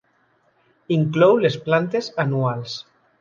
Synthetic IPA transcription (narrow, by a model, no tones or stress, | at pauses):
iŋklowlesplant̪esanuals